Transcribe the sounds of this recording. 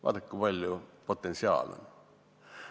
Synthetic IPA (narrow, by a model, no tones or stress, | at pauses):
ʋɑ̰ːt̪ekkub̥ɑlʲjopot̪ːˑensiɑ̰ːlo̰nʲ